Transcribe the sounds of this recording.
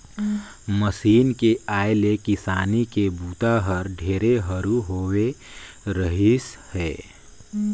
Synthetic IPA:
məsiːnkeaːɪlekɪsaːnikebuːt̪aɦəɾɖʱeːɾeɦəɾuɦoːwe | ɾəɦishɛː

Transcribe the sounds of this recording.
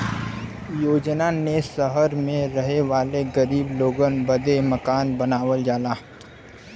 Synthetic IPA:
joːd͡ʒnanesəɦəɾmẽɾɐɦeʋaːleɡɐɾiːbloːɡənbɐd̪emɐkaːnbɐnaːʋəld͡ʒaːlaː

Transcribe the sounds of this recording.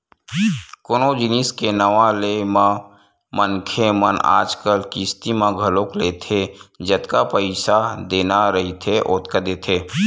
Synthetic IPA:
konod͡ʒɪniːskenəʋãlemã | mənkʰeməna̰ːd͡ʒkəlkist̪imãɡʱəlokleːt̪ʰed͡ʒət̪kapəɪsad̪eːnaɾəɦit̪ʰeʔoːt̪kəd̪eːt̪ʰeː

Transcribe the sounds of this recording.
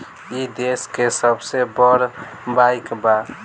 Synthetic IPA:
id̪eskesəbsebɔɾ | bajkba

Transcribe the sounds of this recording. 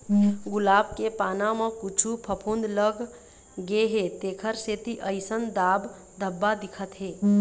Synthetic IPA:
ɡʊlaːbkepaːnamə̃kut͡ʃʰupʰəpʰund̪ləɡ | ɡeɦet̪eːkʰəɾset̪iʔəɪsənd̪aːb | d̪ʱəbːad̪ɪkʰət̪ɦe

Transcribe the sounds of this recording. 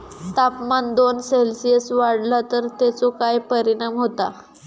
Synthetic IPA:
t̪apmand̪onselsijəsʋaɽlat̪əɾt̪at͡sokajpəɾiɽ̃amɦot̪a

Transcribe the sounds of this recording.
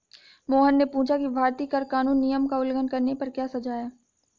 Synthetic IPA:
moːɦənːepũːt͡ʃʰakibʱaːɾt̪ikəɾkaːnũːnːijəmkaʊlɡənkɐɾnepɐɾkjaːsɐd͡ʒaːjaː

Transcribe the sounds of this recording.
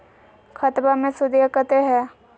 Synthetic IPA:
kʰɐt̪bamẽsʊd̪jkət̪eɦɛː

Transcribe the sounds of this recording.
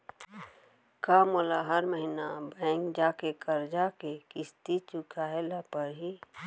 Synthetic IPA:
kamolaɦəɾməɦinabɛ̃ːŋkd͡ʒaːkekəɾd͡ʒaːkekɪst̪it͡ʃʊkʰaelapəɾɦi

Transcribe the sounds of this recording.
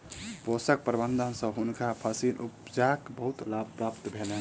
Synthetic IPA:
bosək̚pɾbənd̪ʱənsə̃ɦunkapʰəsinupd͡ʒakbəɦut̪lab̚pɾapt̪bʱelen

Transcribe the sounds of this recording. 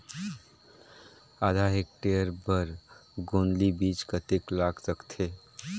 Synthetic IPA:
ad̪ʱaɦek̚ʈeəɾbəɾɡonlibit͡ʃkət̪eklaksəkt̪ʰe

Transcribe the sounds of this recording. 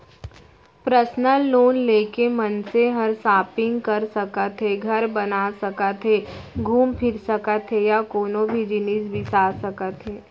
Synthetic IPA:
pɾəsnəlːoːnleːkemɐnseɦɐɾsaːpɪ̃ŋɡkɐɾsɐkət̪ɦeɡʱɐɾbɐnaːsɐkət̪ɦeɡʱuːmpʰɪɾsəkət̪ɦejakoːnõbʱid͡ʒɪnisbʱisaːsəkət̪ɦeː

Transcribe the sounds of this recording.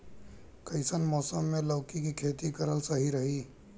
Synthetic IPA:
kɐɪsənmɔːsəmːẽləːkikikʰeːt̪ikɐɾəlsɐɦiɾɐɦiː

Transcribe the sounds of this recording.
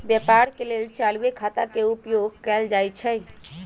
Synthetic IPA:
bjɛpaɾkelelt͡ʃaluekʰat̪akeupjoɡkɛld͡ʒajt͡ʃʰɛj

